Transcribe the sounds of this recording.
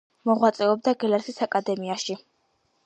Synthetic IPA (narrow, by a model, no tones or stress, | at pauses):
mɔʁwat̪sʼɛɔb̚d̪aɡɛlɛɾsisakʼad̪ɛmiaʃi